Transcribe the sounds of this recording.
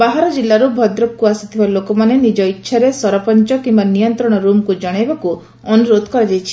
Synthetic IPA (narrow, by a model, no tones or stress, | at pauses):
baɦaɾɔd͡ʒilːaɾubʱɔd̪ɾɔkːuasi̥t̪ʰibalokɔmanenid͡ʒɔitːʃʰaɾesɔɾɔpɔnt͡ʃɔkimbanijɔnt̪ɾɔɽ̃ɔɾumkud͡ʒɔɽ̃ebaku | ɔnuɾod̪ʱɔkɔɾad͡ʒajt͡ʃʰi̥